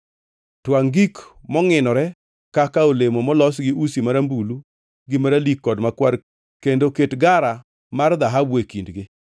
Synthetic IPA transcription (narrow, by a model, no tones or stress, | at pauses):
twaŋɡikmɔŋɪnɔɾɛ | kakaolemomɔlɔsɡɪʔusimaɾambulu | ɡɪmaɾalikːɔdmakwaɾ | kendoketɡaɾa | marðaɦabwekindɡɪ